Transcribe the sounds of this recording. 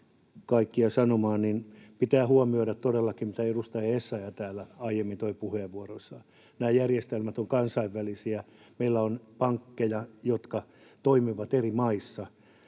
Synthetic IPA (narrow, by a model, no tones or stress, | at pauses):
kɑikːiɑsɑnomɑːnninpit̪æːhuomioiɾæt̪t̪odelːɑkimit̪æerust̪ɑjɑesːɑjɑt̪æːlːæɑijemːint̪oipuheːʋʋːuorosːɑ | næːjærjest̪elmæt̪oŋkɑnsɑiʋːælisiæ | meilːæonpɑŋkːejɑjot̪kɑ | t̪oimiʋɑt̪erimɑisːɑ